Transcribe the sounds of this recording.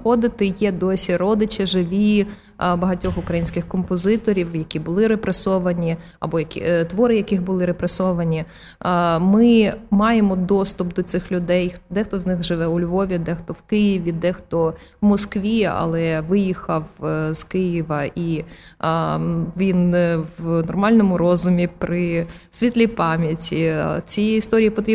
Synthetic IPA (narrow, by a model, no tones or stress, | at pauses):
xɔd̪ɪt̪ɪjɛd̪ɔsʲiɾɔd̪ɪt͡ʃɪʒɪʋʲi | bɐɦɐtʲɔxʊkɾɐjinʲsʲkɪxkɔmpɔzɪt̪ɔɾʲiwjɐkʲibʊlˠɪɾepɾesɔʋɐnʲi | ɐ̰bɔjɐkʲḭt̪ʋɔɾɪjɐkɪxbʊlˠɪɾepɾesɔʋɐnʲi | mɪmɑjemɔd̪ɔst̪ʊpd̪ɔsɪxlʲʊd̪ɛjd̪ɛxt̪ɔznɪxʒɪʋɛʊlʲʋɔʋʲid̪ɛxt̪ɔwkɪjɪʋʲid̪ɛxt̪ɔʋwmɔskʋʲiɐ̰lˠɛʋɪjixɐwz̥kɪjiʋɐʔi | ʋʲinʋnɔrmɑlʲnɔmʊɾɔzʊmʲipɾɪsʲʋʲit̪ʲlʲipɑmʲjɐtʲit͡sʲiist̪ɔɾʲijipɔt̪ɾʲi